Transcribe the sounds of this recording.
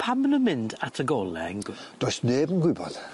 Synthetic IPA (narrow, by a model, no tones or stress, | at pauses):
pʰamənəmɪndatʰəɡɔlˠɛ̰nɡd̥ɔjsneːbənɡwɪbɔð̥